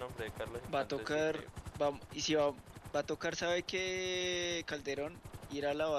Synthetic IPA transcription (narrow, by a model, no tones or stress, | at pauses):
bat̪okaɾbaisibabat̪okaɾsaβeke | kald̪eɾoniɾalawa